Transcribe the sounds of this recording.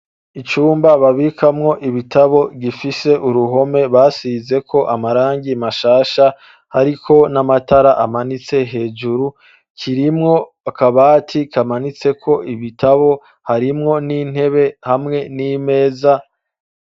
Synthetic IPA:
it͡ʃuːmbaβaβikamŋo̞ʔiβitʰaβo̞ɡifise̞ʔuɾuɦo̞me̞βasize̞kʰo̞ʔamaɾaːŋɡimaʃaːʃa | haɾikʰo̞namatʰaɾaʔamanit͡se̞ɦe̞ːd͡ʒuɾu | kʰiɾimŋo̞ | akaβaːtʰikamanit͡se̞kʰo̞ʔiβitʰaβo̞ | haɾimŋo̞niːn̥he̞βe̞hamŋe̞nime̞ːza

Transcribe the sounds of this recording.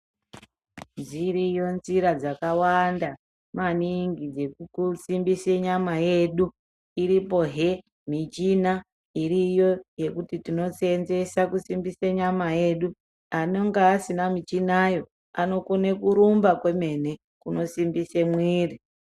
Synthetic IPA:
d͡zirijo̞nziɾad͡zakawanda | maniŋɡid͡ze̞usimbiseɲamaje̞ɗu | iɾipo̞ɦe̞ | mit͡ʃina | irijo̞je̞kutitino̞senze̞sakusimbiseɲamaje̞ɗu | ano̞ŋɡaːsinamit͡ʃinajo̞ | ano̞konekuɾumbakwe̞me̞ne̞ | kuno̞simbisemwiːri

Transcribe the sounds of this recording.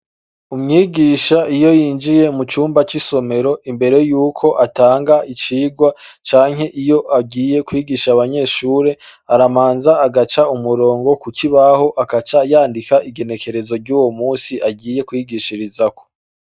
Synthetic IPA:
umŋiːɡiːʃaʔijo̞jiːnd͡ʒije̞mut͡ʃuːmbat͡ʃiso̞me̞ɾo̞imbe̞ɾe̞juːkʰo̞ʔataːŋɡait͡ʃiːɡwat͡ʃaːŋɦe̞ʔijo̞ʔabɟiːje̞kwiːɡiːʃaβaɲe̞ːʃuːɾe̞aɾamaːnzaːɡat͡ʃaumuɾo̞ːŋɡo̞kukiβaho̞ʔakat͡ʃajaːndikaʔiɡe̞ne̞ke̞ɾe̞zo̞ɾɟuːwo̞muːsiʔaɟiːje̞kwiːɡiʃiɾizako̥

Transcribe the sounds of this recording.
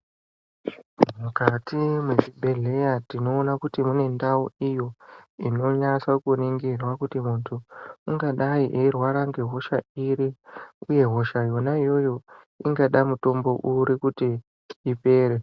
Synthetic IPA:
mukatʰimweʐibʱe̞ɮe̞jatino̞ːnakutimune̞ndauijo̞ino̞ɲat͡sakuniŋɡirwakutimuntʰuuŋɡaɗaiʔeirwaɾaŋɡe̞ɦo̞ʃaiɾiuje̞ɦo̞ʃajo̞naijo̞jo̞ | iŋɡaɗamuto̞mbo̞ʔuɾikutiː | pe̞ːɾe̞

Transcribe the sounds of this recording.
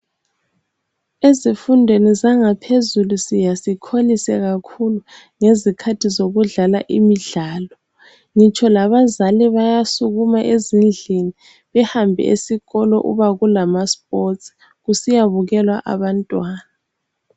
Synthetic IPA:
ezifundʱwenizaŋapʰezulusijasikʰolisɛɣakʰulu | ŋezikʰatʰizoɣuɮala̰ʔimiɮaːlɔ | ŋit͡ʃʰʼɔlaβazaliβajasuɣumaʔezind͡ɮʱini | βɛhambʱɛ̰ḛsiɣɔlɔ̰ʔṵβaɣulamasp̚ʼots | ɣusijaβuɣɛlwa̰ʔa̰βantʼwaːna

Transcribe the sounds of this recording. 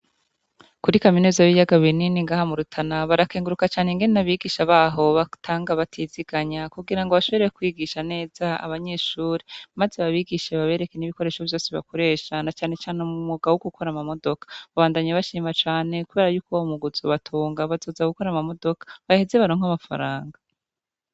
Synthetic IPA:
kuɾikaminuzaβijaɡaβininiŋɡaːhamuɾutʰanaβaɾakeːŋɡuɾukat͡ʃaːneŋɡe̞nenaβiɡiʃaβaːɦo̞βatʰaːŋɡaβatʰiziɡaɲakuɡiɾaŋɡo̞βaʃo̞βeekwiːɡiʃane̞ːz̥aa̰βaɲe̞ʃuːɾemazeβaβiɡiʃeβaβe̞ːɾe̞keniβiko̞ɾe̞ːʃovjo̞ːseβa̰kʰo̞ɾe̞ːʃanat͡ʃaːne̞t͡ʃaːnumumuɡawuɡuko̞ɾamamo̞do̞kḁβaβaːndaɲaβaʃiːmat͡ʃaːne̞kuβe̞ːɾajuːkoumuɡuzuβatʰuːŋɡaβazo̞ːzaɡuko̞ɾamamo̞do̞kḁβaheze̞βaɾoːŋhamafa̰ɾaːŋɡa

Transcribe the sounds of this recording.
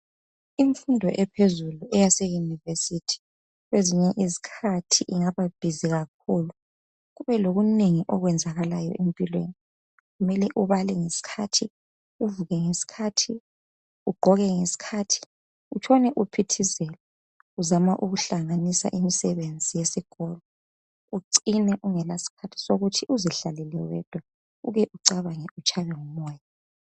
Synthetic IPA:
iɱfundʱɔʔɛpʰezuluʔɛjasejunivesitʰi̥ | ɣweziɲɛʔizi̥kʰatʰiʔiŋaβab̥ʱiziɣak̚ʰuːlu | ɣuβɛloɣuneŋiʔɔɣwɛnd͡zʱaɣalajɔ̰ʔempʼilwḛni | ɣumɛlɛʔuβalɛŋesi̥kʰatʰi | uvuɣɛŋesi̥kʰatʰi | uɡ͡ǃʱɔɣɛŋesi̥kʰatʰi̥ | ut͡ʃʰɔnɛʔupʰitʰizɛlɛ | uzamaʔuɣuɬaŋanisa̰ʔimisɛβend͡zʱijesiɡ̥ʱɔlɔ | uǀinɛʔuŋɛlasi̥kʰatʰi̥soɣutʰiuziɬalɛlɛwɛd̥ʱwa | uɣɛʔuǀaβaŋɛut͡ʃʰʼaβɛŋumɔːja

